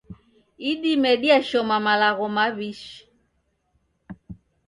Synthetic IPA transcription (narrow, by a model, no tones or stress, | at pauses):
iɗimɛɗiaʃɔmamalaɣɔmaβiʃ